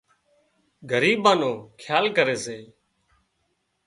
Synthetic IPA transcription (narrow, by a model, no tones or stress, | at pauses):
ɡʱəɾiːbãːnõːkʰjaːlkəɾeːseː